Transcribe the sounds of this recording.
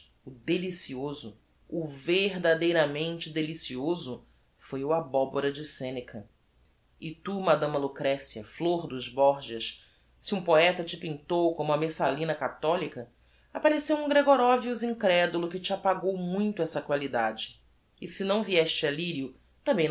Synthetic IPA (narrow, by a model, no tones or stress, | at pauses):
ʊd̪elisiozʊ | ʊveɦd̪ad̪ejɾɐmẽnt͡ʃɪd̪elisiozʊ | fojʊabɔboɾɐd͡ʒɪsẽnekʰɐ | ɪt̪umad̪ɐ̃mɐlukɾɛsiɐfloɾd̪ʊzbɔɾʒiɐʃ | siũpoɛt̪ɐt͡ʃɪpĩnt̪owkõmʊɐmesalĩnɐkat̪ɔlikɐ | apaɾesewũŋɡɾeɡɔɾɔviuzĩŋkɾɛd̪ulʊkɪt͡ʃɪapaɡowmũj̃t̪ʊɛsɐkwalid̪ad͡ʒɪ̥ː | sɪnɐ̃w̃viɛʃt͡ʃɪaliɾiʊ | t̪ɐ̃mbẽj̃